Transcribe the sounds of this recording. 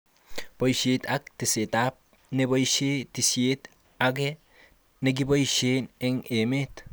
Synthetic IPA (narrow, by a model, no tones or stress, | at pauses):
pojʃet̪ak̚t̪esetap̚ | nebojʃet̪isjet̪ | ake | neɡ̬ibojʃeneŋemet̪